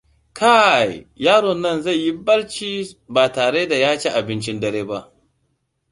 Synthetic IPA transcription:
kʰa˦˨jjaː˦ɽɔ˨nːɐ˦˨nza˦˨jji˦bɐ˦ɽt͡ʃiː˦baː˨taː˨ɽeː˦da˨jaː˦t͡ʃeː˦ʔa˨bɪ˦nt͡ʃɪ˦ndɐ˨ɾeː˦ba˦ʔ

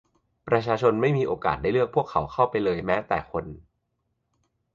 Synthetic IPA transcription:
pɾa˧t͡ɕʰaː˧t͡ɕʰo˧nma˥˩jmiː˧ʔoː˧ka̰ː˨˩t̪̚a˥˩jlɯ˥˩ək̚pʰu˥˩əkʰːa˩˦wkʰa˥˩wpa˧jlɤː˧jmɛː˦˥t̪ɛ̰ː˨˩kʰo˧n

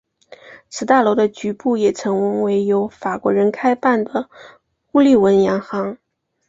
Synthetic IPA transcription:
t͡sʰɹ̩˧˥t̪a˥˩lo˧˥d̪ə˧t͡ɕy˧˥pu˥˩jɛ˨˩ʈ͡ʂʰɤ˧˥ŋwə˧˥ŋwe˧˥ɪjo˧˥ʊfa˨˩kwɔ˧˥ɻə˧˥nkʰa˥ɪpa˥˩nd̪ə˩ | xu˥˧li˥˩wə˧˥njɑ˧˥ŋxɑ˧˥ŋ

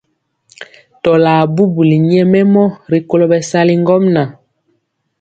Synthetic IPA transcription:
tɔ˨laː˨bu˦bu˨li˨ɲɛ˦mɛ˦mɔ˦ɾi˨ko˦lo˨bɛ˨sa˦li˦ŋɡɔ˦mna˨

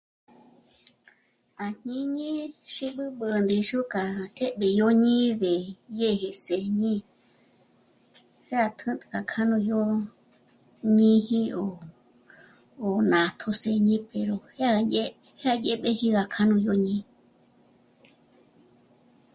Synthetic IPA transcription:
a˨ɲ̥ĩ˦ɲĩ˦ʃi˦ɓɨ˦ɓɨ˧nd̪i˧ʃu˦ka˨e˦ʔɓe˨jo˦ɲĩ˦ðe˨je˦˧he˧se˨ɲĩ˦ | he˦a˧t̪ʰɨ̃˦t̪ɨ̥˧ka˧kʰa˦nũ˧jo˦ | ɲĩ˦hi˦o˨ | nã˨t̪ʰo˧se˧ɲĩ˦pe˨ɾo˨he˦a˦˧a˧je˦ | he˦a˧je˦ɓe˦hi˦ɣa˧kʰa˦nũ˧jo˦ɲĩ˧

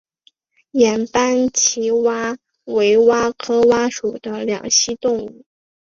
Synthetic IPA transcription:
jɛ˨˩npa˥nt͡ɕʰi˧˥wa˥ | we˧˥ɪwa˥kʰɤ˥wa˥ʂu˨˩d̪ə˦ljɑ̰˨˩ŋɕi˥t̪ʊ˥˧ŋu˥˩

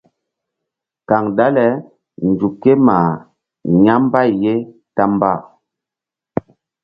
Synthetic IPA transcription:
ka˨ŋda˦lɛ˨˦ | n˨d͡ʒu˨ke˦ma˨ | ɲa˦m˦ba˦˨jje˦ta˦mba˦˨

